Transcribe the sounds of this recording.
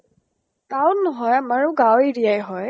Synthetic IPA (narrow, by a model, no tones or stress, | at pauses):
kawnɔɦɔjamaɹʊɡaweɹijajɦɔj